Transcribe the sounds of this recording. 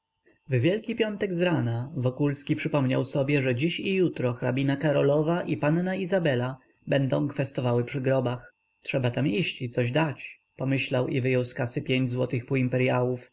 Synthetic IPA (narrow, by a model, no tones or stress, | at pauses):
vvʲjɛlkʲipʲjɔnt̪ɛɡzɾanavɔkulskʲipʂɘpɔmɲa̰wsɔbʲjɛʐɛd͡ʑiɕijut̪ɾɔxɾabʲinakaɾɔlɔvaʔipannaizabɛla | bɛnd̪ɔ̃w̃kfɛst̪ɔvawɘpʂɘɡɾɔbax | tʂɛbat̪amiɕt͡ɕit̪sɔʑd̪at͡ɕ | pɔmɘɕlawʔivɘjɔwskasɘpʲjeɲd͡ʑzwɔt̪ɘxpuimpɛɾjawuf